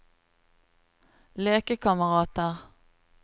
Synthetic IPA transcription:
leːkəkʰɑməʁɑːt̪əʁ

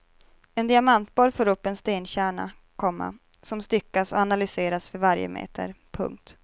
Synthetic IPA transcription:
ɛnd̪ɪamant̪̚bɔːɾfoːɾɵpːɛnst̪eːnɕæːɳa̰ | kʰɔmːa̰ | sɔmst̪ʏkːasɔ̰analʏseːɾasfœɾvaɾjə̰mḛːt̪ʰə̰ɾpʰɵ̰ŋk̚t̪

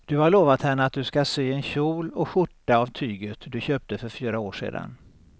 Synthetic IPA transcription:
d̪̥ɵhaɭoːvat̪hɛɳːəat̪̚d̪ɵskasyːɛnɕuːlɔɧʊʈːaːvt̪ʰyːɡət̪d̪ɵɕøːp̚t̪əfœɾfyːɾaoːʂḛːd̪a̰n

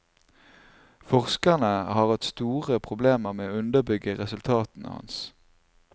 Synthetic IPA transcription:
fɔʁskəʁnəhɑːʁhɑt̪st̪uːʁəpʰʁʊbleːməʁmeːoːʉnd̪əʁbʏɡəʁɛsʉlt̪ʰɑːt̪n̩ə̰hɑ̰ns

